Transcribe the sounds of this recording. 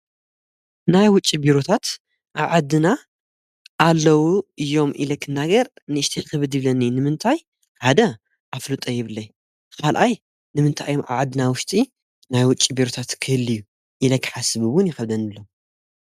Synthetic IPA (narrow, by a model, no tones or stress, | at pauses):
najwʊt͡ʃʼːibiɾot̪ʰat̪ | ʔa̰βʕad̪ːɨna | ʔːlːɐwuɨjːo̞mḭlɐkʰːɨnːaɡɐɾnɨɨʃt̪ʰelkɐβɨd̪jɪβlɐninɨmɨnt̪ʰaj | ħad̪ɐ | ʔaflut̪ʼɐjɪβɨlːɐj | kʰalʔaj | nɨmɨnt̪ʰa̰ʔjomʔa̰βʕad̪ːɨnawʊʃt̪ʼi | najwʊt͡ʃʼːibiɾot̪ʰat̪kʰɨhɨlɨjːu | jɪlɐkʰːħasɨβɨβʊnjɪxɐβd̪ɐnɨlːom